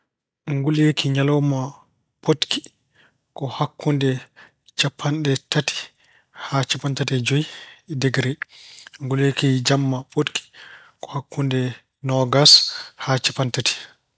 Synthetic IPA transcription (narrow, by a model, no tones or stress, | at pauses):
ŋɡulekʰiɲalɔma | pʰotkʰi̥ | kɔhakːundɛ | t͡ʃapʰːanɗɛtʰati̥ | hat͡ʃapantatɛd͡ʒojdɛɡɾɛŋɡulekid͡ʒamːapotkʰi̥ | kɔ̥hakːundɛ | nɔɡashat͡ʃapːantatʰi̥